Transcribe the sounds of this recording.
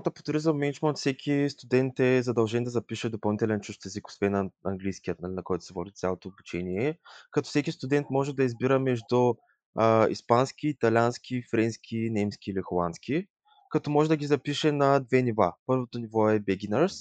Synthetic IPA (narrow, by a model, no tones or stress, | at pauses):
t̪ɐpo̥t̪ɾizəmːɛnit͡ʃmənt̪fsɛkʲʰist̪ud̪ɛnt̪ɛzɐd̪ɐlˠʒɛnd̪ɐzɐpiʃɛd̪opɐlˠnit̪ɛlɛnt͡ʃuʃt̪ɛziko̥svɛnɐɐŋɡlijskʲijət̪̚nɐlinɐkɔjt̪ʊ̥sɛvɔd̪it̪ʲalˠot̪oːbut͡ʃɛniɛkɐt̪ɔ̥fsɛkʲist̪ud̪ɛnt̪mɔʒɛd̪ɐizbiɾəmɛʒd̪u | ḭspanskʲiːt̪ɐlʲanskʲifɾɛnskʲʰinɛmsk̟ʲiːlixolˠant̪sk̟ʲi | kɐt̪ɔmɔʒɛd̪ɐɡʲizɐpiʃɛnɐd̪vɛniva̰pɤɾvot̪onivɔɛbɛɡʲinəɾs